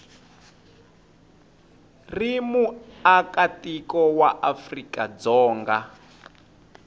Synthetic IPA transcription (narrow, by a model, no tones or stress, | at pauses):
rimuakatikɔwaʔafrikad͡zɔːŋɡa